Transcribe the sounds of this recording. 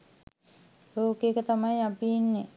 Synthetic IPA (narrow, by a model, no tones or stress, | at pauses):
loːkekət̪amajapiinːe